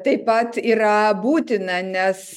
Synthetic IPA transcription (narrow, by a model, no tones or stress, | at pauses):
t̪ɐɪpɐt̪iːɾɐbuːt̪ʲɪnɐnʲɛs